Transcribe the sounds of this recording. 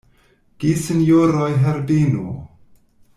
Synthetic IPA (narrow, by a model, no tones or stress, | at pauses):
ɡ̥isinjoɾojɦeɾdinṵ